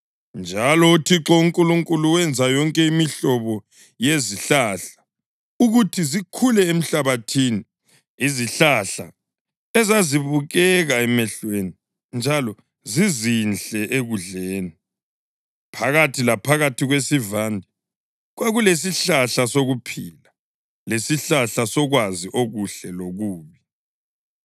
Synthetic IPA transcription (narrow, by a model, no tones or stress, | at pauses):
nd͡ʒʱalɔutʰiǁɔuŋkʼuluŋkʼuluwɛnd͡zʱajɔŋkʼɛimiɬɔβɔ | jeziɬaɬḁ | uɣutʰizikʰulɛem̩ɬaβatʰiːni | iziɬaɬa̰ | ɛzaziβuɣɛɣaɛmɛɬweni | nd͡ʒʱalɔ | zizinɬɛʔeɣuɮeːni | pʰaɣatʰilapʰaɣatʰiɣwesivandʱi | ɣwaɣules̬iɬaɬasoɣupʰiːla | lesiɬaɬasɔɣwaziʔoɣuɬɛloɣuːβi